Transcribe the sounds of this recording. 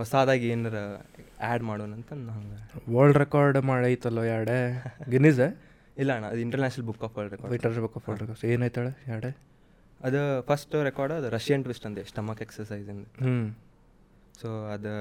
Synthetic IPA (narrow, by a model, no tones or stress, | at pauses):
ɦɔsaːd̪aːɡieːnɐɾɐaːɖmaːɽoːnɐnt̪ɐnːuɦɐŋɡɐʋɐɾɭɖɾekaːɾɖmaːɽajt̪ːuɐlʋɐjaːɽeɡiniːze | ilːɐɐɳɐɐd̪iɳʈɐɾnaːt͡ʃnɐlbukːaːpʋɐːɭɖɾekkaːɾiɳʈɐɾnaːnɐbukːaːpfʋɐɭɖɾekaeːnaːjt̪aːɭejaːɽe | ɐd̪upʰɐsʈɾekaːɾɖɐd̪uɾɐʃjɐɳʈʋisʈɐnd̪esʈɐmaːkeksɐɾsɐjzɐnd̪uɦ | soːɐd̪u